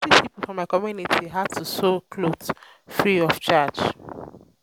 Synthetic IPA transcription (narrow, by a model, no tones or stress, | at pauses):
ipipolfɹɔ̃maɪkɔmjunitʰiɦad̚tusokʰlot | fɹiɔft͡ʃat͡ʃ